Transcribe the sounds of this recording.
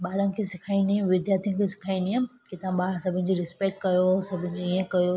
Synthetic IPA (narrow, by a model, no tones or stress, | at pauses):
ɓaːɾənɪ̆kʰesɪkʰaːĩnd̪iə̃ʋɪd̪jaːɾt̪ijũkʰesɪ̥kʰaːĩnd̪iə̃kit̪ɐãɓaːɽsɐbʱɪnɪ̆d͡ʑoɾɪspek̚ʈkɐjosɐbʱɪnɪd͡ʑoiə̃kɐjo